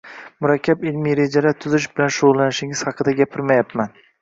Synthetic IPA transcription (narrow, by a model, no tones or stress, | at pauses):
mʊɾakʲʰːapɪlmijɾe̞d͡ʒaɾat̪ʰʊzɪʃ̬bɪlanʃʊʁʊlˠːanɪʃɪŋɪz̥hɑqʰɨd̪aɡʲapʰɪɾmajapman